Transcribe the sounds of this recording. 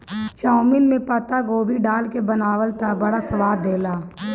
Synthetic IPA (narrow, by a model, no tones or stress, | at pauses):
t͡ʃaːʊmɪnmẽpɐt̪aɡoːbʱiɖaːlkebɐnaːʋəlt̪ʰabɐɽasɐʋaːdd̪eːlaː